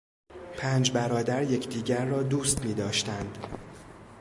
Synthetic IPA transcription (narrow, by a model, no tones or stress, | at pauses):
pʰæːnd͡ʒbæɾɒːd̪æɾje̞cʰd̪iːɟæɾːɒːd̪uːst̪miːd̪ɒːʃt̪ænd̪̥